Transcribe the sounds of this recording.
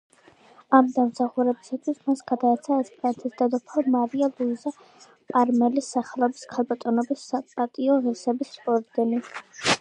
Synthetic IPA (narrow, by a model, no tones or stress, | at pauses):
amd̪amsaχuɾɛbisat̪ʰwismasɡ̥ad̪aɛt̪sʰaɛspʼɾant̪ʰisd̪ad̪ɔpʰalmaɾialˠuiza | pʼaɾmɛlisːaχɛlˠɔbiskʰalˠbat̪ʼɔnɔbisapʼat̪ʼiɔʁisɛbisːpʼɔɾd̪ɛni